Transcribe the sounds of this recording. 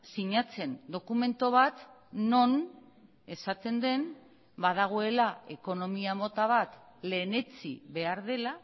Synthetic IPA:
siɲat͡se̞nd̪o̞kume̞nt̪o̞β̞at̪ | no̞n | e̞sat̪e̞nd̪e̞n | bað̞aɣ̞o̞e̞lae̞ko̞no̞miamo̞t̪aβ̞at̪le̞ːne̞t͡sḭβe̞aɾðe̞la

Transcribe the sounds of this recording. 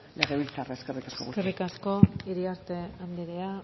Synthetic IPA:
le̞ɣe̞βilt͡sareeskerikaskouskerikasko̞iɾiaɾt̪e̞and̪iɾea

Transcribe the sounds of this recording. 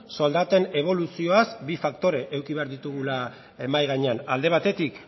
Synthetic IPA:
sold̪at̪e̞ne̞β̞o̞lusio̞asbifakt̪o̞ɾe̞ʔewkiβe̞aɾðit̪uɣ̞ula | emajɣaɲe̞anald̪e̞β̞at̪e̞t̪ik

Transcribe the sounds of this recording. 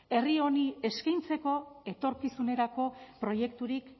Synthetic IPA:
e̞rio̞nie̞skajnt͡se̞ko̞e̞t̪o̞ɾkisune̞ɾako̞pɾo̞je̞kt̪uɾik

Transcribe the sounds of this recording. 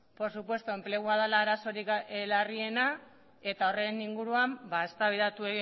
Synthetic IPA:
po̞supwe̞st̪ue̞mple̞ɣ̞uað̞alaːɾaso̞ɾiklarie̞na | e̞t̪ao̞re̞niŋɡuɾuambae̞st̪aβiðat̪ue̞ɣi

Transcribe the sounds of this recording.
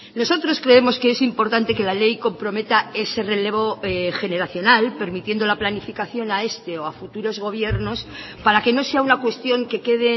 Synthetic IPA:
no̞so̞t̪ɾo̞skɾe̞e̞mo̞skeesimpo̞ɾt̪ant̪e̞ke̞lale̞jko̞mpɾo̞me̞t̪ae̞se̞re̞le̞βo̞xe̞ne̞ɾaθjo̞nalpe̞ɾmit̪je̞nd̪o̞laplanifikaθjo̞nae̞st̪e̞oafut̪uɾo̞zɣ̞o̞β̞je̞ɾno̞s | paɾake̞no̞se̞aunakwe̞st̪jo̞ŋke̞ke̞ð̞e

